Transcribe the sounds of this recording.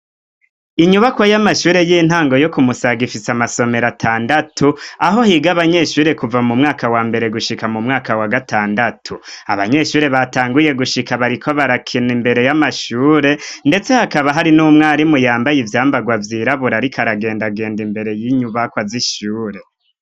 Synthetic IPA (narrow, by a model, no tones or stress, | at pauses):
iɲuβakwajamaʃuːɾe̞jiːn̥haːŋɡo̞jo̞kumusaɡifisamaso̞me̞ɾatʰaːndatʰuaɦo̞hiːɡaβaɲe̞ʃuːɾe̞kuvamumŋaːkawaːmbe̞ɾe̞ɡuʃikamumŋaːkawaɡatʰaːndatʰua̰βaɲe̞ʃuːɾe̞βataːŋɡuje̞ɡuʃikaβaɾikʰo̞βaɾakʰinimbe̞ɾe̞jamaʃuːɾe̞nde̞t͡se̞hakaβaɦaɾinuːmŋaːɾimujaːmbajivjaːmbaɡwavjiːɾaβuɾaɾikʰaɾaɡe̞ːndaɡe̞ːndimbe̞ɾe̞jiɲuβakwaziʃuːɾe̞